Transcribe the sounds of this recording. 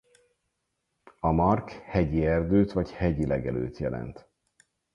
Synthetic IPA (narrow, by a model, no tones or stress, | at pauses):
ɒmɒrkhɛɟiɛrd̪øːt̪vɒchɛɟilɛɡɛlø̰ːt̪jɛlɛ̰nt̪